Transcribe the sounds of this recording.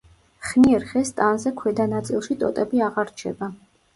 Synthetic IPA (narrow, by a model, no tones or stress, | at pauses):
χniɛɾχɛst̪ʼanzɛkʰwɛd̪anat̪sʼḭlˠʃit̪ʼɔ̰t̪ʼɛbiaʁaɾt͡ʃʰɛba